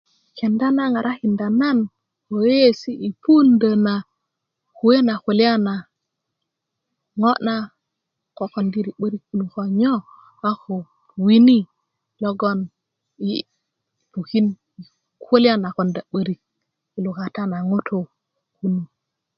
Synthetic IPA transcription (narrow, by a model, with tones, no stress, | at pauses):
ke˨nda˦na˦ŋa˨ɾʔa˦ki˨nda˨na˦n | ko˨˦e˦si˦ʔi˨pu˦ndə˨na˨ | ku˨we˦na˨ku˨li˦a˦na˨ | ŋo˦na˦ | ko˨ko˨ndi˦ɾi˨ɓə˦ɾi˦kːu˦nu˨ko˨ɲo˦ | a˦ko˨ | wi˦ni˦ | lo˦ɡo˦n | i˨ | pu˨ki˦n˨ | ko˦li˦a˦na˨ko˨nda˨ɓə˦ɾi˦k̚ | i˨lu˨ka˨ta˦na˨ŋo˦tʰo˦˨ | ku˦nu˨